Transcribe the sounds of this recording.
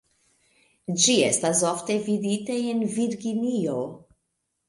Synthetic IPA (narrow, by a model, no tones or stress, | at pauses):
d͡ʒiest̪asɔft̪evid̪it̪aenviɾɡinijo